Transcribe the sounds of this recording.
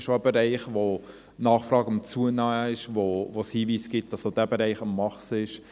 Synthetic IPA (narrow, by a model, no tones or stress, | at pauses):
ʃoəbɛɾɛɪχʋo | nɑːχfɾrɑːɡəmt͡suənɑːɪʃvovoshiːviːsɡ̥ɪt̚d̥ɑsod̥æbeɾɛɪχɑmːɑχsɪʃ